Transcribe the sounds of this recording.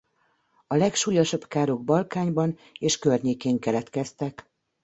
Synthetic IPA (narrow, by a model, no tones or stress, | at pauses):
ɒlɛkʃuːjɒʃɒbkaːɾoɡ̚bɒlkaːɲbɒn | eːʃkørɲeːkeːŋkɛlɛt̪kɛst̪ɛk